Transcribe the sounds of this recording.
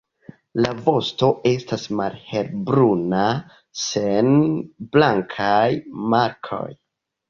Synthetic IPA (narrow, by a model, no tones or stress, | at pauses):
lavo̞sto̞ʔe̞stasmalhe̞lbɾuna | se̞nblaŋkʰajmaɾkʰo̞̰j